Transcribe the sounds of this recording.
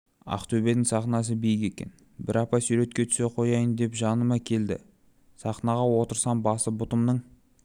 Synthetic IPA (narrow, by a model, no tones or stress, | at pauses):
ɑ̰qt̪ʰɵbe̞d̪ɪŋsɑχnɑs̬əbijɪke̞kʲe̞̰n | bɪɾɑpɑsuɾe̞t̪kʲe̞t̪ʰʏ̥se̞qʰo̞jɑjənd̪e̞pʒɑnəmɑkʲʰe̞ld̪ɪ̰ | sɑχnɑʁɑwo̞t̪əɾsɑnbɑsəbʊt̪əmnəɴ